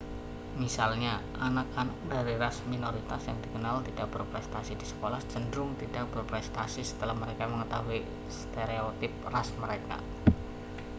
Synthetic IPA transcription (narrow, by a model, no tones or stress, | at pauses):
misalɲaʔanak̚anak̚daɾiɾasminoɾit̪asjaŋdikənalt̪id̥ak̚b̥ərpɾɛst̪asidisə̥kolahd͡ʒəndɾʊŋt̪id̥ak̚b̥ərpɾɛst̪asisə̥t̪əlahməɾekaməŋət̪aɦui | st̪eɾeot̪ɪp̚rasməɾeka̰